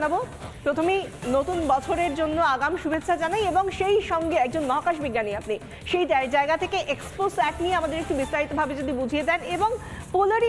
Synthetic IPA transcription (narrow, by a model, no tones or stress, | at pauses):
nabo | pɾot̪ʰomenot̪unbɔt͡ɕʰoɾeɾd͡ʑonːoaɡamʃubʱet̪ːɕʰʃʰad͡ʑanajeboŋʃejʃɔŋɡeɛk̚d͡ʑonmɔɦokaʃbiɡːaniapni | ʃejd͡ʑad͡ʑaeɡat̪ʰekeʔeksposɛʈnieamad̪eɾek̚ʈubist̪aɾit̪obʱabed͡ʑod̪ibud͡ʑʱijed̪ɛneboŋpoloɾi